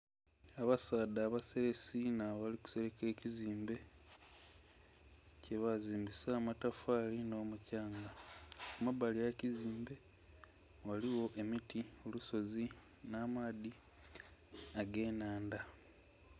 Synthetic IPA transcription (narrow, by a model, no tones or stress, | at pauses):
aβasaːdaːβase̞ɾe̞sinaβaliku̥se̞ɾeke̞ːciziːmbe̞ | ce̞βaziːmbisamatafaːlino̞ːmucaːŋɡakumabalijaciziːmbe̞ | waliwo̞ʔe̞mitioluso̞zi | naːmaːði | aɡe̞ːnaːnda